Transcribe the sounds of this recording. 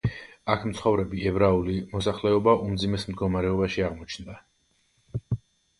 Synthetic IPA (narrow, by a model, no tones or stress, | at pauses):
akʰm̩t̪sχɔvɾɛbiɛbɾaulimɔsaχlɛɔbaʔumd̪zimɛsm̩d̪ɡɔmaɾɛɔbaʃiaʁmɔt͡ʃʰnd̪a